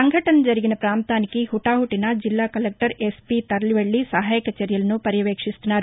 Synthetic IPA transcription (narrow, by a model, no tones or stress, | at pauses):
sɐŋɡʱɐʈɐnɐd͡ʒɐɾiɡinɐpɾaːmt̪aːnikihuʈaːɦuʈːinɐd͡ʒilːaːkɐlek̚ʈɐɾespit̪ɐɾɐliʋɐɭːisɐɦaːjɐkɐt͡ʃeɾjɐlɐnupɐɾjɐʋeːkʂist̪unaːɾu